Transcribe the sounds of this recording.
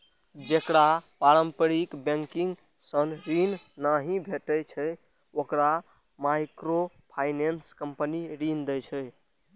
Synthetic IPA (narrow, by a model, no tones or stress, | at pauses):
d͡ʒekɾapaɾəmpəɾikbɛ̃ŋkiŋɡ | sənɾinnaɦĩbʱeʈəjt͡ʃʰɛ | okɾa | majkɾo | pʰajnenskəmpəniɾind̪ɛjt͡ʃʰɛ